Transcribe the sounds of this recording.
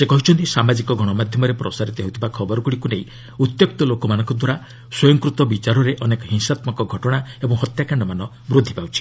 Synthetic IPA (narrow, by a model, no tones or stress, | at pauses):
sekɔɦit͡ʃʰɔnt̪isamad͡ʒikɔɡʱɔɽ̃ɔmad̪ʱjɔmɔɾepɾɔsaɾit̪ɔɦewt̪ʰibakʰɔbɔɾɔɡuɽikunej | ut̪jok̚t̪ɔlokɔmanɔ̃ŋkɔd̪waɾa | swɔjɔŋkɾut̪ɔbit͡ʃaɾɔɾeʔɔnekɔɦiŋsat̪mɔkɔɡʱɔʈɔɽ̃aebɔŋɦɔt̪jakaɳɖɔmanɔ | bɾud̪ʱːipawt͡ʃʰi̥